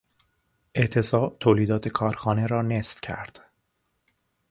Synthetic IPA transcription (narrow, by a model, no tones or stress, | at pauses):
ʔe̞ʔt̪ʰe̞sɒːb̚t̪ʰoːliːd̪ɒːt̪ʰekʰɒːɾxɒːne̞ɾɒːnesfcʰæ̰ɾd̪̥